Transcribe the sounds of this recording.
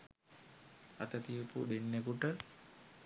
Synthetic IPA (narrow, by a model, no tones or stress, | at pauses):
a̰t̪ət̪iəpṵd̪enːekuʈə